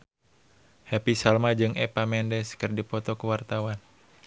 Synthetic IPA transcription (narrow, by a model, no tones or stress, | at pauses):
hɛpisalmad͡ʒɨŋʔɛpamɛndɛskɨrdipɔt̪ɔkuwart̪awan